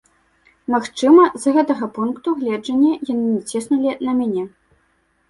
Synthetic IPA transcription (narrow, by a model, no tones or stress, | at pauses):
maxt͡ʂɨmɐzɣɛt̪ɐɣɐpunkt̪uɣlʲɛd͡ʐɐnʲːɐjanɨmʲit͡sʲɛsnulʲid̪lɐmʲanʲɛ